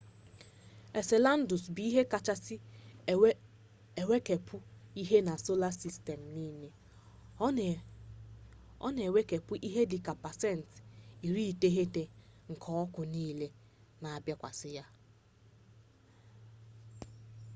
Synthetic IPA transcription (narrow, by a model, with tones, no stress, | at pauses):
e˨se˨la˦n̩˦dʊ˨sbi˨i˦ɦe˦ka˨t͡ʃa˦sɪ˦ | e˨we˦ke˨pʰʊ˦i˦ɦe˦na˨so˦la˦si˦ste˨m̩˨niː˦ne˨ | ɔ̰˦n˨e˨we˦ke˨pʊ˦ʔi˦ɦe˦di˨ka˨pa˨sɛ˦˨n˨ti˨ɾi˦˨te˦ɦe˦te˨ŋ̩˨kʰɔ˦ɔ˦kʊ˨niː˦le˦ | na˨a˨bja˦kʷa̰˨sɪ˦ja˦